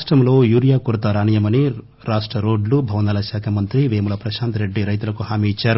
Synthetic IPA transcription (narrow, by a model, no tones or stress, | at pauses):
ʂʈɾɐmlo̞ːjuːɾijaːkuɾɐt̪ɐɾaːnijɐmɐni | ɾaːʂʈɾɐɾo̞ːɖlubʱɐʋnɐːlɐʃaːkʰɐmɐnt̪ɾiʋeːmulɐpɾɐʃaːnt̪ɾe̞ɖːiɾɐjt̪̬ulɐkuhaːmiːit͡ʃːaːɾu